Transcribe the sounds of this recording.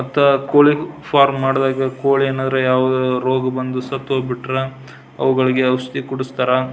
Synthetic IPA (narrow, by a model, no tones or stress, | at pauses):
mɐt̪ːɐkoːɭipʰaːɾmːaːɽd̪aːɡɐkoːɭieːnaːd̪ɐɾejaːʋɐd̪uɾoːɡɐbɐnd̪usɐt̪ːɦoːɡbiʈːɾe | ɐ̰ʋuɡɐɭiɡeɐʋɐst̪ikuɽust̪aːɾɐ